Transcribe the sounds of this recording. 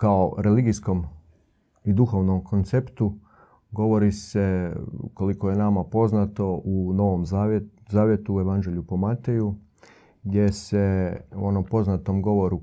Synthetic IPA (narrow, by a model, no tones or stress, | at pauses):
kaoɾe̞liɡisko̞m | id̪uxo̞ʋnomkʰo̞nt̪sept̪u | ɡo̞ʋo̞ɾisḛko̞likoje̞namapo̞znat̪o̞ʔuno̞ʋomzazaːʋjet̪uːe̞ʋand͡ʒe̞ʎʲupo̞mat̪e̞ju | ɡd̪je̞se̞ṵo̞nompo̞znat̪omɡo̞ʋo̞ɾu